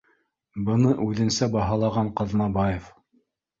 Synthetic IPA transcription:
bɤ̆nɤʔʉðɘ̆nsæbɑɦɑlˠɑʁɑɴqɑðnɑbɑjef

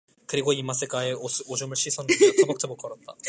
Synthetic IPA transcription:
kɯɾiɡoimas͈ɯk͈aesod͡ʑumɯɭɕ͈ʰisʰʌnetʰebok̚tʰebok͈ʰːʌɾʌt̚t͈a

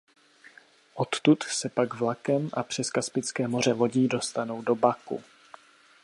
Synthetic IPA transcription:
ʔo̞t̪t̪ut̪sɛpaɡvlakɛmʔapr̝̥ɛskaspɪt͡skɛːmo̞r̝ɛvo̞ɟiːdo̞st̪ano̞wdo̞bakṵ

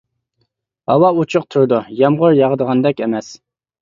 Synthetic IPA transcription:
ɑ̰wɑut͡ʃʰʊq̚t̪ʰuɾd̪ujɑmʁʊɾjɑʁd̪əʁɑnd̪ɛkʲemɛs

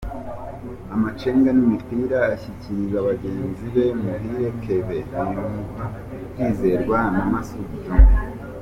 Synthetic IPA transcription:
amat͡ʃeːŋɡanimipiɾaːçiciɾizaβaɡe̞ːnziβe̞muhiɾe̞kʰe̞βeimua | kiːze̞ɾɡwanamasubɟo

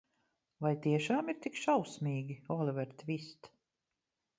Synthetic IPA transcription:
vajt̪iɛʃaːmiɾt̪ikʃawsmʲiːɡʲiɔlivɛɾt̪vist̪

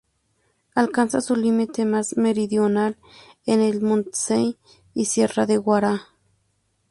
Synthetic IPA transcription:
alkansasulimit̪emasmeɾiðjonal | enelmont̪e̥sej | isjeraðeɣwaɾa

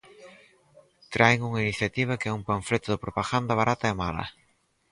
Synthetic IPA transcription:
t̪ɾajŋuŋainiθjat̪iβ̞ɐkɛuŋpaɱfɾet̪ʊðɪpɾopaɣand̪ɐβ̞aɾʔat̪ɐemalɐ̰

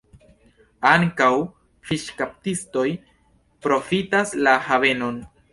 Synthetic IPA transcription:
aŋkaw | fiʃkap̚tisto̞j | pɾo̞fitaslahave̞no̞n

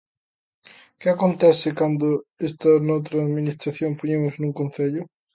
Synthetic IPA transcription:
kɪakont̪ɛθɪkand̪ʊest̪ɐnowt̪ɾɐːðminist̪ɾaθjoŋpoɲemʊznũŋkon̟θeʎʊ

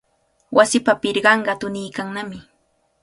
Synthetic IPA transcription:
wʔasɪpapɪɾɢɑɴɢɑt̪ʊnijkaŋnamɪ

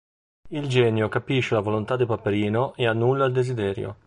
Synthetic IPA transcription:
ild͡ʒɛːnjokapiʃːelavolont̪ad̪ːepapeɾiːnoʔeanːulːaild̪ezid̪ɛːɾjo̰

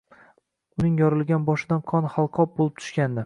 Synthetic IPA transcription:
ʊnɪŋjɒɾɪlˠɡʲanbɒʃɪd̪anqʰɒnhalˠqʰɒp̚bolɪp̚t̪ʰʊ̥ʃkʲand̪ɪ

